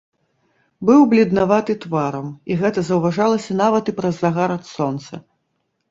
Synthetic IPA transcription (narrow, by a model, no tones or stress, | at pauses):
bɨwblʲid̪navat̪ɨt̪vaɾɐmiɣɛt̪ɐzɐwvaʐalˠɐsʲɐnavɐt̪ɨpɾɐzːaɣaɾɐt̪sɔnt̪sɐ